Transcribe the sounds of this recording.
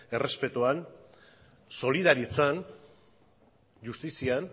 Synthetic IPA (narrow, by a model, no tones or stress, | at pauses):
e̞re̞spe̞t̪uan | so̞liðaɾit͡san | ʝust̪isian